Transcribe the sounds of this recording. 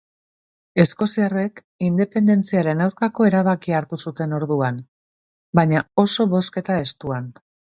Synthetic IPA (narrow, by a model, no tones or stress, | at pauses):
e̞sko̞siare̞k | ind̪e̞pe̞nd̪e̞nt͡siaɾe̞nawɾkako̞e̞ɾaβ̞akiaɾt̪usut̪e̞no̞ɾðuan | baɲao̞so̞βo̞ske̞t̪ae̞st̪uan